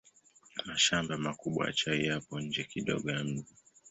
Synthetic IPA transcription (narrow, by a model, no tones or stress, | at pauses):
maʃambamakuɓwa̰t͡ʃaijapɔɲ̩d͡ʒɛkiɗɔ̰ɠɔjam̩ʄi